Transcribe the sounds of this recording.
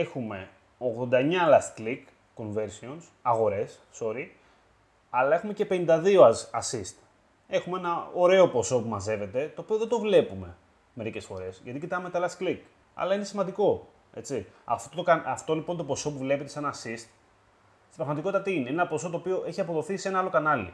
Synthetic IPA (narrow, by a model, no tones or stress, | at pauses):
exume̞ | o̞ɣðond̪ɐeɲɐlɐst̪klik | kːo̞nve̞ɾsio̞nsɐɣo̞ɾe̞sːo̞ɾi | ɐlɐe̞xume̞ce̞pe̞nind̪ɐðio̞ɐsist̪ | e̞xumee̞nɐo̞ɾe̞o̞po̞so̞pumɐze̞ve̞t̪e̞t̪o̞ːpio̞ðe̞d̪o̞vle̞pume̞ | me̞ɾice̞sfo̞ɾe̞sʝɐt̪icit̪ɐme̞t̪ɐlɐst̪klik | ɐ̰lɐine̞simɐnd̪iko̞ | e̞t͡siɐ̰ft̪ot̪okɐɐft̪o̞lipont̪opo̞so̞puvle̞pe̞t̪e̞senɐːsist̪ | t̪ipɾɐɣmɐt̪ikot̪it̪ɐt̪iineienenɐpo̞so̞t̪oːpio̞ʔe̞çiɐpo̞ðo̞θise̞nɐɐlo̞kɐnɐlḭ